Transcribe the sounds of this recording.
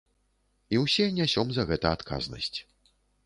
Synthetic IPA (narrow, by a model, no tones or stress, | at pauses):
iwsʲɛnʲasʲɔmzɐɣɛt̪ɐat̪kʰa̰znɐ̰sʲt͡sʲ